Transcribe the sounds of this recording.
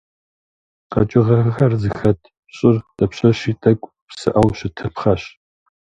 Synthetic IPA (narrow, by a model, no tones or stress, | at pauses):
qɐ̰t͡ʃʼɪʁɐɣxɐrzɨxɐtʰ | ɕʼɪrd̥ʼɐpɕɐɕiːtʼɐkʷʼ | psɨ̰ʔɐwɕɪtʰɐpχɐɕ